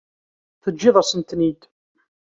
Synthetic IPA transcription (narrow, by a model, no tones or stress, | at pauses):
θəd͡ʒːɪðˤasənt̪nid̪